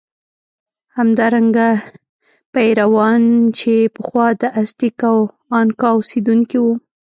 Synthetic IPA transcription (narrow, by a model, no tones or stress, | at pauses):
hamd̪ɑɾaŋɡa | pajɾawɑnt͡ʃepəxwɑd̪əʔast̪ikaw | ɑnkɑused̪uŋkiwu